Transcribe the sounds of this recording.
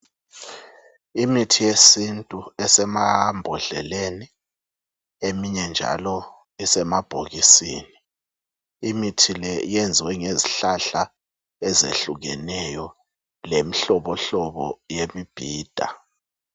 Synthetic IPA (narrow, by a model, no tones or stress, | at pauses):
imitʰijesintʼuɛsɛmambʱɔɮɛ̰leni | emiɲɛnd͡ʒʱa̰lɔ | isɛmab̥ʱoɣisiːni | imitʰilɛjɛnd͡zʱwɛŋeziɬaɬa | ɛzḛɬuɣɛnɛjɔ | lemiɬɔβɔɬɔɓɔ̰jemib̥ʱiːd̥ʱa̰